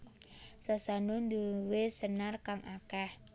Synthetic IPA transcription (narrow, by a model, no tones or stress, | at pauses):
sasanund̪uwesənarkaŋʔakah